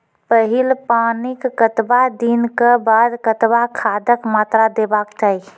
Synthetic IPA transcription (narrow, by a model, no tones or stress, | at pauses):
pəɦilpanikːət̪bad̪inkebad̪kət̪bakʰad̪əkmaːt̪ɾad̪ebakt͡ʃaːi